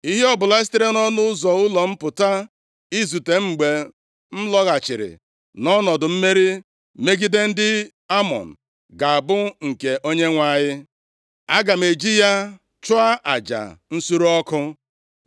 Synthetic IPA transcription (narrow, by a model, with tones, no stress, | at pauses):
i˦ɦe˦ɔ˦bʊ˨la˨˦e˦s̬tɪ˦ɾe˦nɔ˦nʊ˦ʊ˦zɔ˨ʊ˦lɔ˨m̩˦pʊ˨ta˦ | i˦zu˨te˨ŋ͡m̩˨ɡ͡be˨ | m̩˦lɔ˦ɣa˨t͡ʃɪ˨ɾɪ̰˨ | nɔ˦nɔ˨dʊ˨m̩˦me˦ɾi˦ | me˦ɡi˦de˦n̩˦dɪ˦ | a˦mɔ̰˨n̩˨ | ɡa˨a˨bʊ˦ŋ̩˨ke˨ʔo˦ɲe˦ŋʷa˦˨ɲɪ˦ | a˦ɡa˨me˨d͡ʒi˦ja˦ | t͡ʃʊ˦a˦ʔa̰˨d͡ʒa̰˨n̩˦su˦ɾo˦ɔ˦kʊ˦